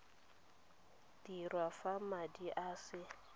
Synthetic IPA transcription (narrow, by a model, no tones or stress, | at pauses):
dirwafamadiʔaːsɪ